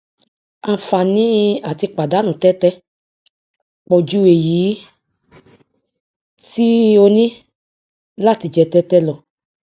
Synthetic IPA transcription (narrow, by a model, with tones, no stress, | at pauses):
ã˧˨fa˨nĩ˦a˨ti˧k͡pa˨da˨˦nũ˨tɛ˦tɛ˧ | k͡pɔ˨d͡ʒu˧˦e˨ji˨˦ | ti˦o˧nĩ˦ | la˦˨ti˧d͡ʒɛ˧tɛ˧tɛ˦lɔ˧˨